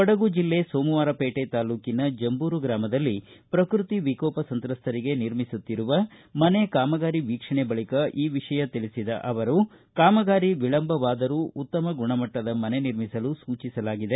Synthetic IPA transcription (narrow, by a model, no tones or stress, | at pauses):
pɔɽɐɡud͡ʒilːe̞soːmuʋaːɾɐpeːʈet̪aːluːkinɐd͡ʒɐmbuːɾuɡɾaːmɐd̪ɐlːipɾɐkɾut̪iʋikɔːpɐsɐnt̪ɾɐst̪ʰɐɾiɡe̞niɾmisut̪ːiɾuʋɐmɐne̞kaːmɐɡaːɾiʋiːkʂɐɳebɐɭikɐʔiːʋiʂɐjɐt̪iɭisid̪ɐ̰ʔɐʋɐɾu | kaːmɐɡaːɾiʋiɭɐmbʱɐʋaːd̪ɐɾuut̪ːɐmɐɡuɳɐmɐʈːɐd̪ɐmɐne̞niɾmisɐlusuːt͡ʃisɐlaːɡid̪e̞